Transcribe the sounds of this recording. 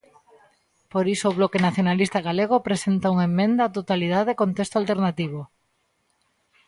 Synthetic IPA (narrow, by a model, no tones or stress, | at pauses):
poɾisoːβlɔkenaθjonalist̪aɣaleɣ̞opɾesent̪auŋemːẽnd̪aat̪ot̪aliðaðkont̪est̪oalt̪eɾnat̪iβ̞o